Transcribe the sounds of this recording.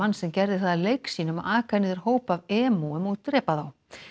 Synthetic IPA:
anːsɛmcɛɾðɪθaðalejksiːnʏma̰aːkʰaniðɪɾ̥hoːwpavɛːmuʏmuðt̪ɾɛːpaðaw

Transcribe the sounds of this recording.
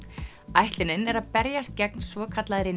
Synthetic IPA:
ajht̪lɪnɪnɛɾaðpɛɾjast̪̚cɛk̚nsvɔːkʰat̪laðɾɪ

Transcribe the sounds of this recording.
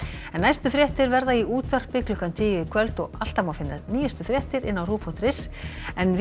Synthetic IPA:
ɛnːajst̪ʏfɾjɛht̪ɪɾvɛɾðaiʔuːt̪var̥pɪklʏhkant̪ʰɪːjɪɪkʰvœlt̪ɔɣal̥t̪amawfɪnːaɾniːjast̪ʏfɾjɛht̪ɪɾɪ̰nːawruːpfɔt̪ɾɪsɛnv

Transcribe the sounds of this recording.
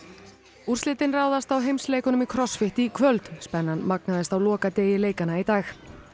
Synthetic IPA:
ur̥slɪːt̪ɪnraːwðast̪awɦejmsleːjkʏnʏmikʰɾɔsfɪht̪ikʰvœlt̪spɛnːanmak̚naðɪst̪awlɔːkat̪eːjɪleːjkanait̪aːx

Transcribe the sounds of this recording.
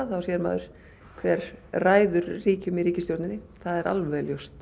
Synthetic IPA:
θawsjɛðɾma̰ːðʏɾ̥ | kʰvɛːɾ̥raːjðʏɾːiːcʏmiɾiːcɪst̪jowɾt̪nɪnːɪθaðɛɾʔa̰lvɛljost̪

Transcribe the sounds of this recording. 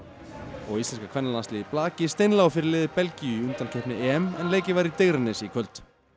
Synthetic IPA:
ɔɣist̪ɛnskakʰvɛnːalanslɪːðɪplaːcɪst̪ejnlawfɪɾɪɾlɪːðɪpɛlciʏʏnt̪ancʰœhpnɪʔɛɛmɛnleːjcɪvaɾit̪eɣɾɪnːɪsikʰvœlt̪

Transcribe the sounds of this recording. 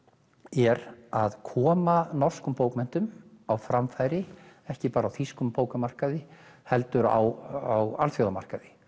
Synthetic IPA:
ɛɾaðkʰɔːmanɔr̥skʏmpoːwkmɛn̥t̪ʏmawfɾamfajɾɪɛhcɪpaːɾawθiskʏmpoːwkamar̥kaðɪhɛl̪t̪ʏɾa̰wawalθfjowðama̰r̥kaðɪ

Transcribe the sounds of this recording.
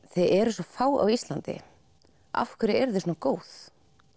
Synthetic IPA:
θejðɛɾsɔfaːwa̰wist̪lant̪ɪ̰ | a̰fkʰʏɾɪɛɾðɪsɔnakoːwθ

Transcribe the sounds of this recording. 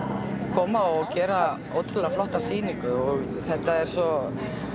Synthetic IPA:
kʰɔːmaɔcɛːɾa | owt̪ɪlɾaflɔht̪asiːniŋkʏɔɣ | θɛht̪aɛɾ̥sɔ

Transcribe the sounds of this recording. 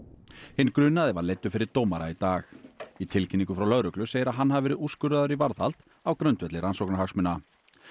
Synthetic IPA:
hɪnːkɾʏnaðɪvaɾlejt̪ːʏfɪɾɪɾ̥t̪oːwmaɾait̪aːxit̪ʰɪlcʰɪnːiŋkʏfɾawlœðɾʏklʏseːjðɪɾaðɦanːhavvɛːɾɪðuskʏɾaðʏɾivaɾðhal̥t̪ | awkɾœnt̪vɛt̪lɪɾansowknaɾhaksmʏnːa

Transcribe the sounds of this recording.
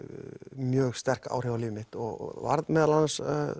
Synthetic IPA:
mjœːɣst̪ɛr̥ka̰ːwr̥ɛvalɪːvmɪht̪ɔɣ̰va̰ɾðmɛːðalans

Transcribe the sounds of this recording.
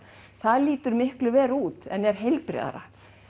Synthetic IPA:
θaðliːt̪ʏɾmɪhklʏvɛːɾuːt̪ɛnɛɾ̥ɦejlpɾɛ̰ða̰ɾa̰

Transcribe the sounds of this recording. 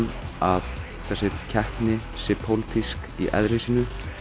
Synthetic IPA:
nav | θɛsɪcʰɛhknɪ | sɪpʰowlt̪ʰisk | ḭʔɛ̰ðɾesɪnʏ

